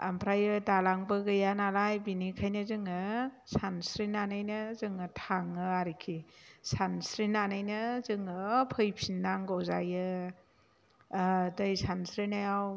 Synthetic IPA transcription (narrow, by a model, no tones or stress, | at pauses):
a̰mpʰɾajɯdalaŋbɯɡɯjanalajbinikʰajnɯzɯŋɯsansɾinanajnɯzɯŋɯtʰaŋɯaɾikʰisansɾinanajnɯzɯŋɯpʰɯjpʰinːaŋɡɔwzajɯ | dɯjsansɾinajaw